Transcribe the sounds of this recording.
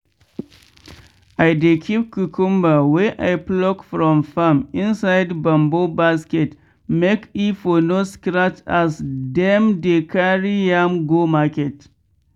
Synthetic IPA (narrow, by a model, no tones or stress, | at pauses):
ʔajdekʰʲip̚kukʊmbawɛʔa̰jplɔkfɾɔmfamʔɪnsajdbɐmbobaskɛt | mekifonoskɾatasdɛmdekaɾijamɡomakɛt